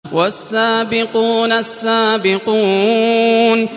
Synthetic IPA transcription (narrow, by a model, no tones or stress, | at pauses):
wasːaːbɪquːnasːaːbɪquː | n